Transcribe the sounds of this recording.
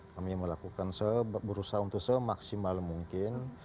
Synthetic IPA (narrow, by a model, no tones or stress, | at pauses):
kamiməlakukansəbəɾusaunt̪ʊksəmaksimalmuŋkɪn